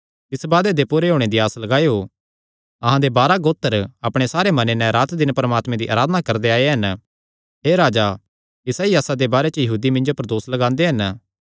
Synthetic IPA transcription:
t̪ɪsbaːd̪ed̪epʊːɾeɦoːɽ̃ẽd̪iaːslɐɡaːeo | ɐɦãd̪ebaːɾaɡoːt̪ːəɾɐpɽ̃esaːɾemɐnenɛ̃ɾaːt̪d̪ɪnpɐɾəmaːt̪mẽd̪iʔaːɾaːd̪ənakɐɾd̪eaːeɦɐn | ɦeːɾaːd͡ʒa | kisɛːiaːsad̪ebaːɾet͡ʃəjɐɦuːd̪imɪ̃nd͡ʒopɐɾd̪oːslɐɡãːnd̪eɦɐn

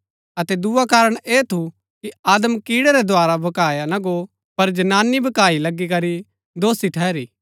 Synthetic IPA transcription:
ɐt̪ɛd̪uːakaːɾəɽ̃eːt̪ʰu | kiaːd̪əmkiːɽɛɾɛd̪ʱʊaːɾabʱɐkaːjanɐɡo | pɐɾd͡ʒɐnaːnːibʱɐkaːilɐɡːikɐɾi | d̪oːsiʈʰɛːɾiː

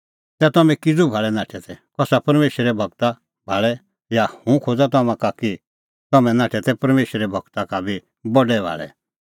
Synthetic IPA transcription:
t̪ɛt̪ɔmɛ̃kɪd͡zubʱaːɭɛnaːʈʰɛt̪ʰɛkɔsapɐɾmeːʃɾɛbʱɐɡ̚t̪a | bʱaːɭɛ | jahũkʰoːd͡zat̪̬ɔmãkaki | t̪ɔmɛ̃nãːʈʰɛt̪ɛpɐɾmeːʃɾɛbʱɐɡt̪akabʱi | bɔɖɛbʱa̰ːɭɛ̰

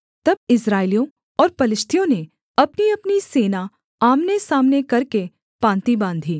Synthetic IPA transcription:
t̪ɐb̚ɪsɾaːɪlijõ | ɔːɾpɐlɪʃt̪ʰijõne | ɐpniɐpniseːna | aːmnesaːmnekɐɾke | pãːnt̪ibãːnd̪ʱiː

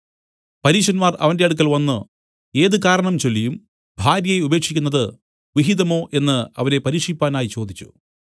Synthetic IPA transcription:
pɐɾiːʂɐnmaːrɐ̰ʋɐnde̞ɐɽuk̬ːɐlʋɐnːɨ | e̞ːðɨkaːɾɐɳɐmt͡ɕo̞lːijum | bʱaːɾjɐjeube̞ːkʂikʲːunːɐðɨ | ʋiɦiðɐmo̞ːʔe̞nːɨɐ̰ʋɐɾe̞pɐɾiːkʂipːaːnaːjit͡ɕo̞ːd̪it͡ɕːu̥̰

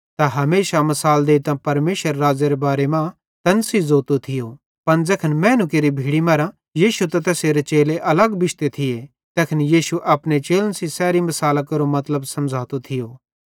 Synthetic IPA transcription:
t̪aɦɐmeːʃamɐsaːld̪eːit̪ãpɐɾmeːʃəɾːaːd͡zeɾebaːɾemã | t̪ɐnsizoːt̪ot̪ʰɪjo | pɐnd͡zɛːkʰənmɛ̃ːnʊk̬eɾibʱiːɽimɐɾã | jiːʃut̪at̪ɛːseɾet͡ʃeːleʔɐləɡbɪʃt̪et̪ʰɪje | t̪ɛːkʰənjiːʃuʔɐpnet͡ʃeːlənsisɛːɾimɐsaːlakɐɾomɐt̪ləbsɐmd͡zʱaːt̪ot̪ʰɪjoː

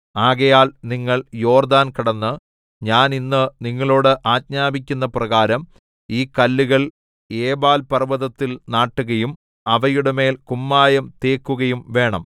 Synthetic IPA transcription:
aːɣɐjaːlniŋːɐɭjo̞ːrd̪aːnkɐɽɐnːɨ | ɲaːninːɨniŋːɐɭoːɽɨʔaːtɲaːbik̬ʲːunːɐprɐɣaːɾɐm | iːkɐlːuɣɐɭ | eːbaːlpɐrʋɐðɐt̪ːilnaːʈːuɣɐjum | ɐʋɐjuɽeme̞ːlkumːaːjɐmt̪eːkːuɣɐjumʋe̞ːɳɐm

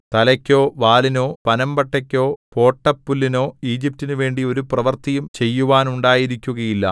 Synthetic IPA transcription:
t̪ɐlɐkʲːo̞ːʋaːlino̞ːpɐnɐmbɐʈːɐkʲːo̞ːpo̞ːʈːɐpːulːino̞ːiːd͡ʑip̚tːinuʋe̞ːɳɖio̞ɾuprɐʋɐrt̪ijumt͡ɕe̞jːuʋaːnuɳɖaːjiɾikʲːuɣɐjilːɐ̰

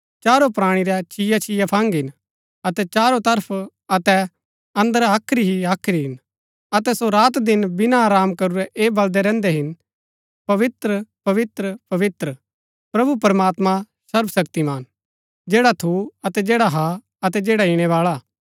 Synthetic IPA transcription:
t͡ʃaːɾopɾaːɽ̃iɾɛt͡ʃʰɪjat͡ʃʰɪjapʰãːŋɡɪn | ɐt̪ɛt͡ʃaːɾot̪ɐɾpʰ | ɐt̪ɛ | ɐ̃nd̪əɾaːkʰɾiɦiaːkʰɾiɦɪn | ɐt̪ɛsoɾaːt̪d̪ɪnbɪnaaːɾaːmkɐɾuɾɛʔeːbɐld̪ɛɾɛ̃ːnd̪ɛɦɪn | pɐʋɪt̪ɾəpɐʋɪt̪ɾəpɐʋɪt̪ɾə | pɾɐbupɐɾəmaːt̪ma | sɐɾbsɐkt̪imaːn | d͡ʒɛːɽat̪ʰuɐt̪ɛd͡ʒɛːɽaɦa | ɐt̪ɛd͡ʒeːɽaɪɽ̃ɛʋaːɭa

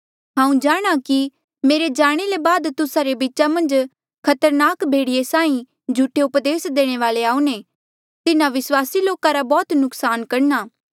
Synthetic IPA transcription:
ɦãːũd͡ʒaːɽ̃aki | meːɾed͡ʒaːɽ̃elebaːd̪t̪ʊsaɾebiːʃamɐ̃nd͡ʒ | kʰɐt̪əɾnaːkbʱeːɽiesãːĩ | d͡ʒʱuʈʰːeʊpd̪eːsd̪eːɽ̃eʋaːleaːũne | t̪ɪnãʋɪswaːsiloːkaɾabɔːt̪nʊksaːnkɐɽnaː

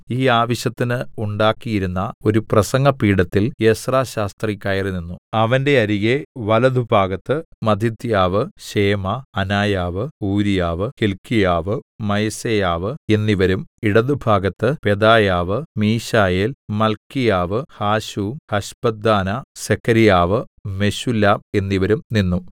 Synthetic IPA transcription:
iːaːʋɐɕjɐt̪ːinɨuɳɖaːkːijiɾunːɐo̞ɾuprɐsɐŋɡɐpiːɽɐt̪ːilesraːɕaːst̪rikʲːaːjɐrɨnːinːuɐʋɐnde̞ɐɾiɣeʋɐlɐðubʱaːɡɐt̪ːɨmɐd̪ʱit̪jaːʋɨɕeːmɐɐnaːjaːʋɨuːɾijaːʋɨhilkːijaːʋɨmɐjɐsejaːʋɨe̞nːiʋɐɾumiɽɐðubʱaːɡɐt̪ːɨpe̞d̪aːjaːʋɨmiːɕaːjelmɐlkːijaːʋɨhaːɕuhɐɕbɐd̪ːaːnɐsekʰːɐɾijaːʋɨme̞ɕulaːe̞nːiʋɐɾumninːu

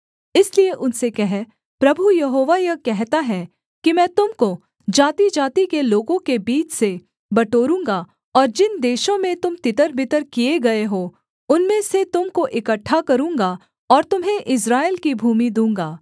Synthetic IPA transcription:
ɪslieʔʊnsekɛɦɛ | pɾɐbʱujɐɦoːʋajɐkɛɦt̪aɦɛ | kimɛ̃ːt̪ʊmko | d͡ʒaːt̪id͡ʒaːt̪ikeloːɡõkebiːt͡ʃse | bɐʈoːɾũːŋ̆ɡa | ɔːɾd͡ʒɪnd̪eːʃõmẽt̪ʊmt̪ɪt̪əɾbʱɪt̪əɾkijeɡɐeɦoː | ʊnmẽset̪ʊmkoʔɪkəʈʰːakɐɾũːŋɡa | ɔːɾt̪ʊmɦẽʔɪs̬ɾaːelkibʱuːmid̪ũːŋɡaː

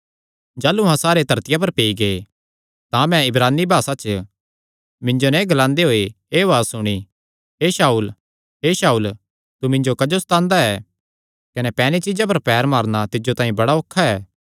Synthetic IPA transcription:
d͡ʒaːluɦãsaːɾet̪ɐɾt̪ɪjap̬ɐɾpeːiɡee | t̪ãmɛ̃ɪbɾaːnːibʱaːsat͡ʃ | mɪ̃ɲd͡ʒonãɡɐlãːnd̪eɦoːe | eːʋaːsʊɽ̃i | ɦeːʃaːuːl | ɦeːʃaːuːl | t̪umɪ̃ɲd͡ʒokɐd͡ʒost̪ãːnd̪aɛː | kɐnɛpɛːnit͡ʃid͡ʒap̬ɐɾpɛːɾmaːɾnat̪ɪd͡ʒot̪ãːĩbɐɽaoːkʰːaɛː

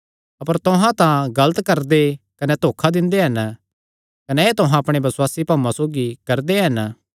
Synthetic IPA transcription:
ɐpəɾt̪ʊɦãt̪ãɡɐlət̪kɐɾd̪ekɐnɛt̪oːkʰad̪ɪ̃nd̪eɦɐn | kɐneeːt̪ʊɦãɐpɽ̃ebɐsʊwaːsipaːmãsoːɡikɐɾd̪eɦɐn

